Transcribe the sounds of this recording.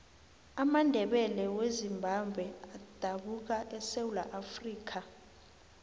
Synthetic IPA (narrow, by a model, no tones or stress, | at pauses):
amandʱɛɓɛlɛwezimbʱambʱwɛad̥ʱaɓuk̬aʔɛsewula̰ʔafriːk̬ʰa